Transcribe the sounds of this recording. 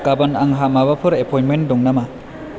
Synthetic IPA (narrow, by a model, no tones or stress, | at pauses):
kabɐnaŋɦamaβapʰɯɾepʰɔjnmendɔŋnama